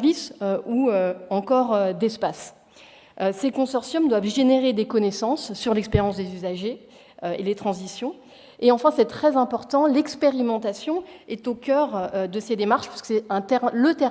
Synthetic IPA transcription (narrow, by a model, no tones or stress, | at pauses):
visøuøɑ̃kɔʁød̪ɛspas | øsekɔ̃sɔʁsjɔmd̪wavʒeneʁed̪ekɔnesɑ̃sːyʁlɛkspeʁjɑ̃sd̪ezyzaʒe | øelet̪χɑ̃zisjɔ̃ | eɑ̃fɛ̃sɛt̪χɛzɛ̃pɔʁt̪ɑ̃lɛkspeʁimɑ̃t̪asjɔ̃ɛt̪okʲœʁød̪əsed̪emaʁʃpḁi̥sə̥kə̥sɛɛ̃t̪ɛlət̪ɛ